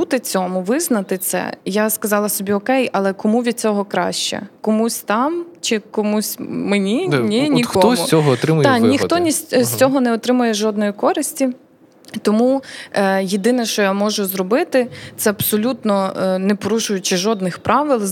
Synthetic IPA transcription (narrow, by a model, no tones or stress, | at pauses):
ut̪ɪt͡sʲɔmʊʋɪznɐt̪ɪt̪sɛ̰jaskɐzɑlˠɐsɔbʲiɔkɛjɐlˠɛkɔmuʋʲid̪̚t͡sʲɔɦɔkɾɑ̰ʃt͡ʃɛ̰kɔmusʲt̪ɑmt͡ʃɪkɔmusʲmenʲinʲinʲikɔɔmʊɔɦɔɔt̪ɾɪmʊjt̪nʲixt̪ɔnʲisʲsʲt͡sʲɔɦɔnɛɔt̪ɾɪmʊjɛʒɔd̪nɔjikɔɾɪsʲtʲi | t̪ɔmu | jid̪ɪnɛʃt͡ʃɔjamɔʒʊzɾɔbɪt̪ɪt̪sɛɐbsɔlʲut̪nɔnɛpɔɾuʃʊjʊt͡ʃɪʒɔd̪nɪxpɾʔɑʋɪlˠ